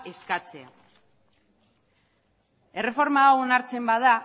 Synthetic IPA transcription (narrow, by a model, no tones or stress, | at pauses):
e̞skat͡se̞a̰ | e̞re̞fo̞ɾmaːwonaɾt͡se̞mbaða